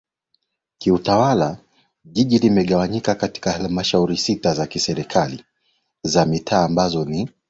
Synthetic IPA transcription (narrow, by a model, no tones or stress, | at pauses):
kiutawala | ʄiʄilimɛɠawaɲikakati̥kahalmaʃauɾisitazakisɛɾikʰali | zamitʰaːmbazɔni